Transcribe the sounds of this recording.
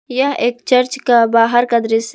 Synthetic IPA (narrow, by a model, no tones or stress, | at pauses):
jəɦeːkt͡ʃəɾt͡ʃkabaːɦəɾkɐd̪ɾis